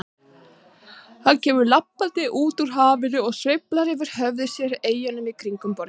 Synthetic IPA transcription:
θaðcɛːvʏɾlapːalt̪ɪʔuːt̪uɾ̥ɦaːvɪnʏɔɣsvejplaɾɪvɪɾ̥hœvðɪsjɛɾeːjanʏmikʰɾiŋkʏmpɔɾɪ

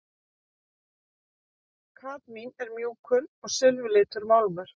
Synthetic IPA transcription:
kʰaːt̪minɛɾmjuːkʰʏnɔɣsɪlvʏlɪːt̪ʏɾmawlvʏɾ̥

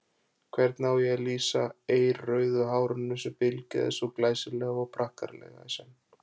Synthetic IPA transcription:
kʰvɛɾt̪naːwjɛɣliːsaeːjɾrœːɥðʏɦaːwɾʏnːʏsɛmpɪlca̰ðɪ̰soklaːjsɪlɛɣɔɣpʰɾahka̰ɾlɛ̰ɣa̰sɛn

